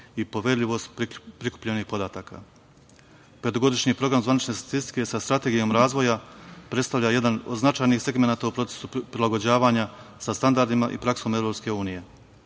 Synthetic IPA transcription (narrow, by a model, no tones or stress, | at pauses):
ipo̞ʋeɾʎʲiʋo̞st̪pɾiku̥pʎe̞nixpo̞d̪aːt̪aːkʰa̰ | ped̪oɡo̞d̪iʃɲipɾo̞ɡɾamzʋanit͡ʃne̞st̪ḁt̪ist̪i̥ke̞sast̪ɾat̪e̞ɡijo̞mɾaːzʋo̞japɾe̞t̪st̪aʋʎaje̞d̪ano̞d̪znat͡ʃaːjnixse̞ɡme̞naːt̪aupɾo̞t̪se̥supɾilaɡo̞d͡ʑaːʋaɲasast̪and̪aɾd̪imaʔḭpɾakso̞ːme̞vɾo̞pske̞uːnije̞